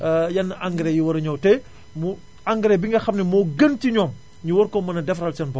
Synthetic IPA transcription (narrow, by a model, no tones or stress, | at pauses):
jɐnːɐʔaŋɡɾɛjiwɐɾɐɲɔːwtɛ | mu | aŋɡɾɛbiŋɡɐxɐmnɛmɔːɡəntiɲɔːm | ɲuwɔɾkɔmɐnɐdɛfɾɐlt͡ʃɐnbɔ